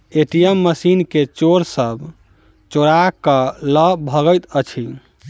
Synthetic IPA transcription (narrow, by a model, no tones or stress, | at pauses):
eʈijemːəsinket͡ʃoɾsəb | t͡ʃoɽakələbʱəɡəjt̪ət͡ʃʰi